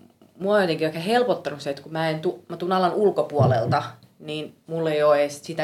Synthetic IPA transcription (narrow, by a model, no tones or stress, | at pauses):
muoojot̪eŋkiʋækːæhelpot̪ːɑnuset̪kumæent̪umæt̪uːnɑlɑnʔulkopuolḛlt̪ɑ | niːnmulːeioeˑssit̪æ